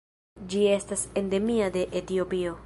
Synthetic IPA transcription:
d͡ʒie̞stase̞nde̞miade̞ʔetio̞pio̞

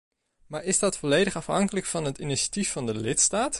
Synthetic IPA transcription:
maːɹɪzdɑtfɔlejdəχɑfɦɑ̰ŋkələkfɑnɦətiniʃḁtifːɑndəlɪtstaːt

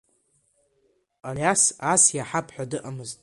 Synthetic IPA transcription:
alasasjaħapʰʼħʷᶣadɨʔamɨztʼ

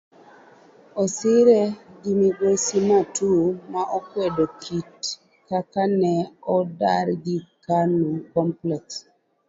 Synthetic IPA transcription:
ɔsɪɾɛɡimiɡosimatumaʔɔkwɛdokʰit | kakanɛɔda̰ɾɡikanukɔmplɛks

